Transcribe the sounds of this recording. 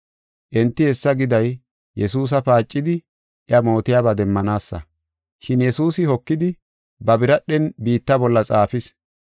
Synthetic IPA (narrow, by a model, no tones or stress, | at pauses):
ʔɛnt̪ːɪɛsːɐɡɪd̪ɐj | jɛsuːs̬ɐpaːt͡ʃʼːɪd̪ɪ | ʔɪɐmo̞ːt̪ɪjaːbad̪ɛmːɐnaːsːɐ̰ | ʃɪnjɛsuːsɪhɔkːɪd̪ɪ | bɐbɪɾɐɗːɛnbiːt̪ːɐbɔlːɐt͡sʼaːfɪs